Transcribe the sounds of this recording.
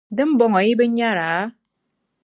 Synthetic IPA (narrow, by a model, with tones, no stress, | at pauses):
de˦m̩˦bɔ˦ŋɔ˨i˦be˦ɲa˦ɾa˨˦